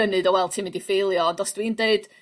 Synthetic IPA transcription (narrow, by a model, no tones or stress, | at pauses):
ənɨdɔwɛlˠtʰɨːmɪndifejlˠjɔdɔsd̥wiːndeɨd̥